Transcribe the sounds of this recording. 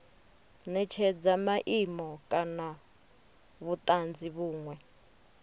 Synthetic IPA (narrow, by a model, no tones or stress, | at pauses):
nɛt͡ʃʰɛd͡zamaʔimɔkʼana | βut̪ʼand͡ziβuːŋwɛ